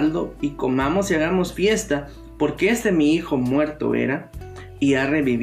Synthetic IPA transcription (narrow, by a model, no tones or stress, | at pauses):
ld̪o̞iko̞mamo̞siaɣamo̞sfje̞st̪a | po̞ɾkeest̪e̞miixo̞mwe̞ɾt̪o̞̰ḛɾa | iare̞βiβ